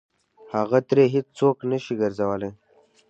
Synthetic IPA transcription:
haɣat̪ɾeɦɪt͡st͡soknəʃiɡəɾzawəle

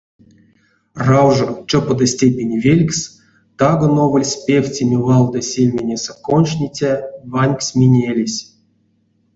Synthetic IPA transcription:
rawʐət͡ʃopəd̪ɐsʲtʲepʲenʲivʲelʲksʲ | t̪aɡənovəlʲsʲpʲefʲt͡sʲemʲivɑlˠd̪əsʲelʲmʲenʲesəkonʂnʲit͡sʲavanʲksʲmʲinʲelʲesʲ

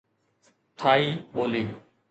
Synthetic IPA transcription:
t̪ʰaːiːɓoːliː

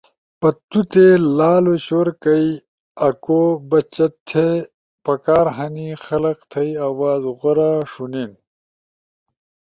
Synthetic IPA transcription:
pɐt̪ːut̪elaːloɕoːɾkɐi | ɐkobɐt͡ɕɐt̪ʰːe | pɐkaːɾɦɐnixɐlɐqt̪ʰɐiawaːzʁɐɾaʂunen

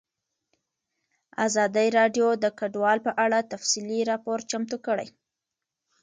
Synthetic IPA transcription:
a̰zɑd̪əjɾɑɖjod̪əkaɖwɑlpəʔaɽat̪afsiliɾɑpoɾt͡ʃamt̪ukəɽə̰j

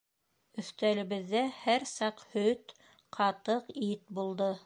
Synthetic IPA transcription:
ɵ̆θt̪ælɘ̆βɘ̆ðːæhæɾsɑqhɵt̪ | qʰɑt̪ɤqit̪̚bulˠd̪ɤ

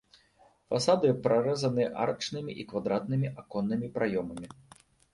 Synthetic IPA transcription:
fasad̪ɨpɾaɾɛzɐnɨʔa̰rt͡ʂnɨmʲiʔikvad̪ɾat̪nɨmʲiʔakɔnːɨmʲipɾʔajɔmɐmʲi

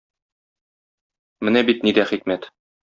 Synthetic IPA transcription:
mɘnæbit̪nid̪æχikmæt̪

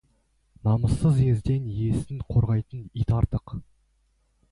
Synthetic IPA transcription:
nɑməsːəze̞zd̪e̞nje̞sɪŋqʰo̞ɾʁɑjt̪ənit̪ɑɾt̪əq

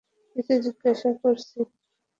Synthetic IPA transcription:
pit̪ed͡ʑiɡːaʃakoɾsʰi

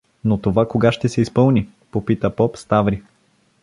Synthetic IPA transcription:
not̪ovakoɡaʃt̪ɛsɛispɤlˠni | popit̪əpɔpst̪avɾi

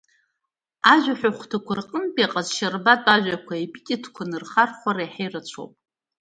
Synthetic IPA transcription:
aʒʷᶣaħʷᶣaχʷtʰakʷʰarqʼəmpʼaqʼazʃarbatʼaʒᶣʷakʷʰaipʼitʲʼitʰkʷʰanɨrχarχʷaɾajħejrat͡ʃʷʰo̰wpʼ

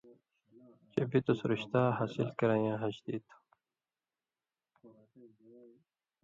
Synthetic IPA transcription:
t͡ɕebit̪usɾiɕt̪aːɦaːsilkɐɾajãːɦɐd͡ʑd̪iːt̪ʰ

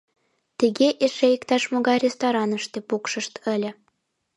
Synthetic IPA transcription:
t̪iɣeʔeʃejikt̪ɑʃmoɣɑjrʲest̪oɾɑnə̆ʃt̪epukʃə̆ʃt̪ə̆lʲə̆

